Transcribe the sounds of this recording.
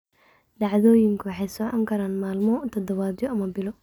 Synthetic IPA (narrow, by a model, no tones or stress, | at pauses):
ɖɑʕðoːjɪŋkʰʊwɑħɛjsɔːʕɐŋkʰɐɾaːnmaːlmɔt̪ʰɐd̪ɐβaːd̪jɔɐmɐbɪlɔ